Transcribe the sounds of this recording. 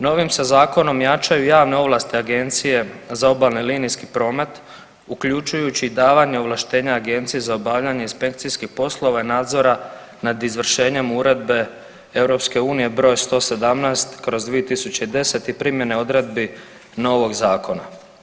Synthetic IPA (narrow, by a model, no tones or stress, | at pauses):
no̞ʋimsazaːko̞no̞mjat͡ʃajujaːʋne̞o̞ʋlˠast̪iaɡe̞nt̪sije̞zao̞balnilinijskipɾo̞ːme̞t̪ | ukʎut͡ʃujut͡ɕiːd̪aːʋaɲe̞oʋlaʃt̪e̞ːɲaːɡe̞nt̪sijezaobaʋʎaɲe̞inspe̞kt̪sijskixpo̞slˠo̞ʋainaːd̪zo̞ɾa | nad̪izʋr̩ʃe̞ːɲe̞muɾe̞d̪be̞ | e̞wɾo̞pske̞uːnije̞bɾo̞ːjst̪o̞ːse̞d̪amnast̪kɾo̞zd̪ʋiet̪isut͡ɕeid̪e̞se̞t̪ipɾimje̞ne̞o̞d̪ɾe̞d̪bi | no̞ʋo̞ɡzaːkʰo̞na